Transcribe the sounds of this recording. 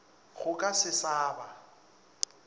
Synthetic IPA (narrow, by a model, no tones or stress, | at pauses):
ɣʊkʼasɪsaːba